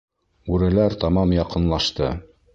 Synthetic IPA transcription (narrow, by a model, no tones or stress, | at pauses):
ʉɾɘ̆læɾt̪ɑmɑmjɑqɤ̆nlˠɑʃt̪ɤ